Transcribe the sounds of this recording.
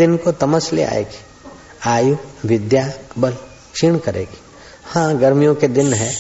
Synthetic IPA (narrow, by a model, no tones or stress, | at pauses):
ɪnkot̪ɐməslḛa̰ːḛːk | aːjuʋɪd̪jaːbəl | kʃiɳkɐɾḛːk | hãːɡɐɾmijõked̪ɪnɦɛː